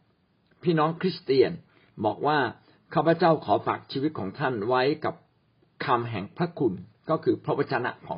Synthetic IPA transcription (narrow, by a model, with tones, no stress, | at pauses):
pʰiː˥˩nɔː˦˥ŋkʰɾi˦˥st̪i˧ən | bɔː˨˩k̚waː˥˩ | kʰaː˥˩pʰɾa˧˩t͡ɕa˥˩wkʰɔː˩˦faː˨˩k̚t͡ɕʰiː˧wi˦˥t̪̚kʰɔː˩˦ŋt̪ʰa˥˩nwa˦˥jka˨˩p̚ | kʰa˧mɦɛ˨˩ŋpʰɾa˦˥kʰu˧nkɔː˥˩kʰɯː˧pʰɾa˦˥wa˧t̪̚t͡ɕʰa˧na̰˦˥ʔkʰɔ̰ː˩˦